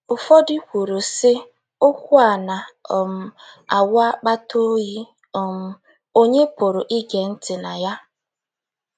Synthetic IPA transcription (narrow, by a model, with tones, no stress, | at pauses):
ʊ˨fɔ˦dɪ˦kʷu˨ɾu˨sɪ˦ | ʊ˦kʷʊ˦a˨na˨ɔ˨m̩˦a̰˨wa˦k͡pa˦tʰo˦ɣi˦ | ɔ˨m̩˦ | o˦ɲe˦pʊ˨ɾʊ˨ʔi˦ɡe˨n̩˦tɪ˨na˨ja˦